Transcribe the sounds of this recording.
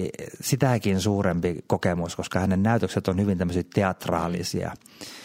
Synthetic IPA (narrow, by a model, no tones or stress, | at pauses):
sit̪ækinsuːrempikokemuskoskɑhænennæˑyt̪økset̪onhyʋint̪æmːøsitt̪eɑt̪rɑ̰ːlḭsḭɑ̰